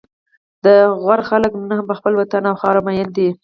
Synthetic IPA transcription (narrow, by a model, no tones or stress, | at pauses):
d̪əɣwaɾxaləknnaɦampəxpəlwat̪anawxɑɾamajənd̪i